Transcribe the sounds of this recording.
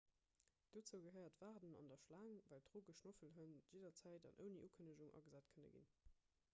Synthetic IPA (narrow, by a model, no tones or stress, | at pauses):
d̥oːt͡səʊɡəɦɜɪɐtv̥aːʁdənɑ̰ndɐʃlaːŋvæːltʁoːɡəʃnofəlɦənjeɪdɐt͡sæɪtɑ̰nʔə̰ʊniʔuːkʰənəʒuŋʔɑ̰ɡəzæːtkʰənə̰ɡḭn